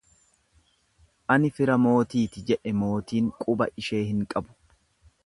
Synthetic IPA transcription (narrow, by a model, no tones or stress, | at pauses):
ʔɐnɪfɪɾɐmo̞ːt̪iːt̪ɪd͡ʒɛʔɛmo̞ːt̪iːŋkʼʊbɐʔɪʃe̞ːhɪŋkʼɐbʊ̥